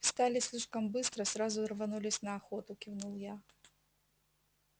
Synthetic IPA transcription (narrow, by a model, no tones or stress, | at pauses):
st̪alʲɪsʲlʲiʂkɐmbɨst̪ɾɐsɾazʊrvanulʲɪsʲnɐːxɔt̪ʊkʲivnulˠja